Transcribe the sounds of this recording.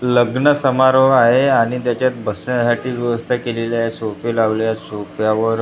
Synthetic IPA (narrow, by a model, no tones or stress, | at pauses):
ləɡnəsəmaɾoaɦeaɽ̃it̪jat͡ɕjat̪̚bəsɳasaʈiːʋjəʋəst̪ʰakeleljasopelaʋljasopjaʋəɾ